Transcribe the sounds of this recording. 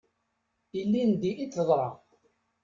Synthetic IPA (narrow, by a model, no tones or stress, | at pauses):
ilːind̪iʔit͡sːəðˤɾˤɑ